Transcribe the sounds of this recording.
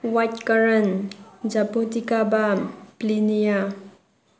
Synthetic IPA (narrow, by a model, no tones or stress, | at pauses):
wajt̚kaɾɐnd͡ʒapotikabaplinija